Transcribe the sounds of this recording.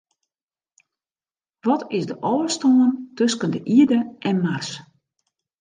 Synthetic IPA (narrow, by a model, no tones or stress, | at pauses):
ʋɔtʰɪsdəʔɔːəstoəntøskəndəʔiədəʔɛnmars